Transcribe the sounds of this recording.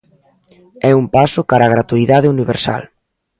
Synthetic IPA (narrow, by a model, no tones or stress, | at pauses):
ɛumpasʊkaɾaɣɾat̪uiðaðɪuniβḛɾsa̰l